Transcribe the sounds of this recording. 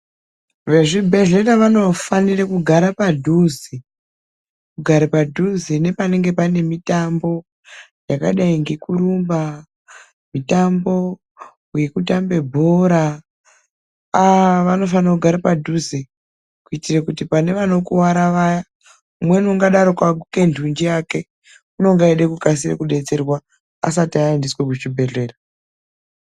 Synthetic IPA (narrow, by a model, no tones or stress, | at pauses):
ʋe̞ʐibʱeɮetaʋano̞fanirakuɡʱaɾapadʱuzi | kuɡʱaɾapadʱuzinepane̞ŋɡe̞pane̞mitambo̞ | jaka̰ɗaiŋɡe̞kuɾumba | mitambo̞ | uje̞kutambe̞bʱo̞ɾa | aʋano̞fanakuɡʱaɾapadʱuze | kuitirakutipane̞ʋano̞kuwaɾaʋaja | umwenuŋɡaɗaɾokakuke̞ndʰʱund͡ʒiake̞ | uno̞ŋɡaeɗekukasirḛkuɗe̞t͡se̞rwa | a̰satiaendiswekut͡ʃibʱe̞re̞ːra